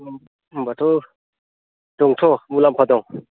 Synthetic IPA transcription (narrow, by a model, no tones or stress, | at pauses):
mbatʰɔ | d̥ɔŋtʰɔmulampʰadɔŋ